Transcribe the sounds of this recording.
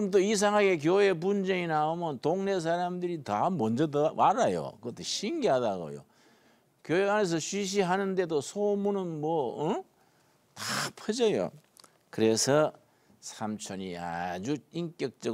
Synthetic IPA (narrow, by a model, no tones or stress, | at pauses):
mt̬ois̬ʰaŋɦaɡe̞k̬joe̞p̬und͡ʑeŋinaomjʌnt̪oŋne̞s̬ʰaɾamdɯɾitamʌnd͡ʑʌdomaɾajo̰kɯʌt̪ʰːeɕʰiŋɡiɦadaɡo̰jo̰ | kjoeane̞s̬ʰʌɕʰɥiɕ̬ʰiɦanɯnde̞dosʰomunɯnmwʌɯ | tapʰʌd͡ʑʌjo̰ | kɯɾe̞sʰʌ | sʰamt͡ɕʰʌɲia̰d͡ʑuink͈jʌk̚t͡ɕ͈ʌ